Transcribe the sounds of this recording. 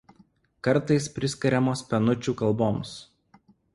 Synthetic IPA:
kɐɾˑt̪ɐɪspʲɾʲɪsʲkʲɐɾʲɛmoːspʲɛnʊt͡ʃʲuːkɐlˠboːms

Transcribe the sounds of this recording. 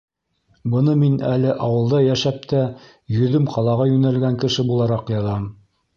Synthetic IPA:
bɤ̆nɤminælɘʔɑwɤ̆lˠd̪ɑjæʃæp̚t̪æ | jɵ̆ðɵmqʰɑlˠɑʁɑjʉnælɡæŋkɘ̆ʃɘbulˠɑɾɑqjɑðɑm

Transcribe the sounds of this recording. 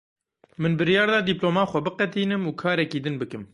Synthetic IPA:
mɨnbɨɾijɑːɾd̪ɑːd̪iploːmɑːxʷɛbɨqɛt̪iːnɨmuːkʰɑːɾɛkiːd̪ɨnbɨkɨm

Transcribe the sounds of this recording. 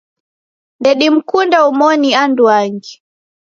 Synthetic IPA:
ndɛɗim̩kundaumɔnianduaŋɡi

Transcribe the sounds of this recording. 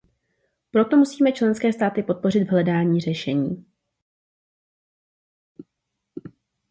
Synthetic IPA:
pɾo̞t̪o̞musiːmɛt͡ʃlɛnskɛːst̪aːt̪ɪpo̞t̪̚po̞r̝ɪd̪vɦlɛdaːɲiːr̝ɛʃɛɲiː

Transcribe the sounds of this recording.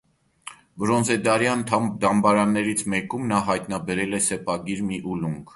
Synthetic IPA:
bɾɔnzɛd̪ɑɾjɑnt̪ʰd̪ɑmbɑɾɑnːɛɾit͡sʰmɛkumnɑɦɑjt̪nɑbɛɾɛlɛsɛpɑɡiɾmiʔuluŋɡʰ

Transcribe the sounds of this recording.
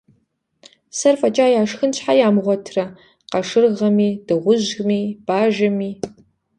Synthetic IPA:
sɐrfɐt͡ʃʼaːjaːʂxɨnt͡ɕħajaːmʁʷɔtʰrɐ | qɐʂɨrʁɐmiːd̥ɨʁʷʊʑɣmiːb̥aːʒɐmiː

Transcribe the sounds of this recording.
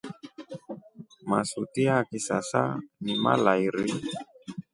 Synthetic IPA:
masut̪ihakisasa̰nima̰laiɾi

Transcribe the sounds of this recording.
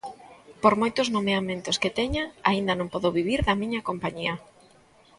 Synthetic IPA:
poɾmojt̪ʊznomeamẽnt̪osket̪ɛɲaaind̪ɐnõŋpɔðoβiβiɾðɐmĩɲɐkompaɲiɐ

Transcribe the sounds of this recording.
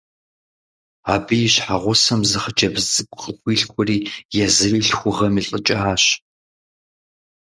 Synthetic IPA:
aːbɨjɪɕħaʁʷʊsɐmzɨχəd͡ʒɐbzɨkʷʼqəxʷiːɬkʷʰʼɔriːjɛzɨriːɬxʷʊʁɐmiːɬʼət͡ʃʼɐaːɕ

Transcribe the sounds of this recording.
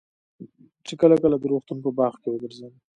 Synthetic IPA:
t͡ʃekəlakəlad̪əɾoxt̪unpəbɑxkewəɡ̪əɾzawi

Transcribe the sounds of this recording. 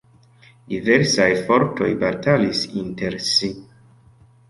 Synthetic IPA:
dive̞ɾsajfo̞ɾto̞̰jbatalisinte̞ɾsi

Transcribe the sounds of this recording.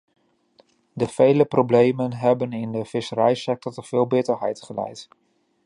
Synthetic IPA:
dəv̥ejləprowblejmənɦɛbənɪndəvɪsəɾɛjsɛk̚tɔɹtəv̥ɪːlˠbɪtəɹɦɛ̰jtχəlɛ̰jt

